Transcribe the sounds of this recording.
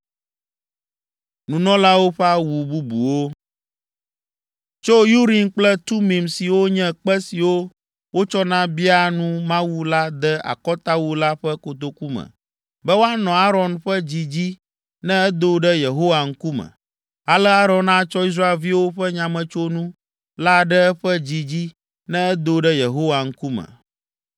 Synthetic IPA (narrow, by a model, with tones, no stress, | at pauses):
nũ˨nɔ̃˦la˦wo˦ɸɛ˦a˦wu˨bu˦bu˨wo˦ | t͡ʃo˦ju˦ɾi˨nk͡plɛ˦t̪u˦mĩ˨msi˨wo˦ɲɛ̃˦k͡pɛ˦si˨wo˦ | wo˦t͡ʃɔ˦nã˦bi˦a˦nũ˦mã˦wu˦la˦d̪ɛ˦a̰˨kɔ˦t̪a˦wu˦la˦ɸɛ˦ko˨t̪o˨ku˦mɛ̰̃˨ | bɛ˦wo˦a˦nɔ̃˨a˦ɾɔ˨nɸɛ˦d͡ʑi˦d͡ʑi˦ | nɛ̃˦ɛ˦d̪o˦ɖɛ˦je˨ɦo˦wa˨ŋ̩˦ku˦mɛ̰̃˨ | a˨lɛ˦a˦ɾɔ̃˨nã˦t͡ʃɔ˦i˦s̬ɾa˦e˨lvi˦wo˦ɸɛ˦ɲã˨mɛ̃˨t͡ʃo˦nũ˦ | la˦ɖɛ˦ɛ˦ɸɛ˦d͡ʑi˦d͡ʑi˦ | nɛ̃˦ɛ˦d̪o˨˦ɖɛ˦je˨ɦo˦wa˨ŋ̩˦ku˦mɛ̰̃˨